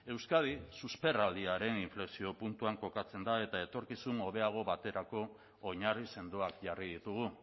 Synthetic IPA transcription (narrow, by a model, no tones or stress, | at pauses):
e̞wskað̞isuspe̞rald̪iaɾe̞niɱfleksio̞punt̪uaŋko̞kat͡se̞nd̪ae̞t̪ae̞t̪o̞ɾkisuno̞βe̞aɣ̞o̞βat̪e̞ɾako̞ː | ɲarise̞nd̪uakʝarið̞it̪uɣ̞u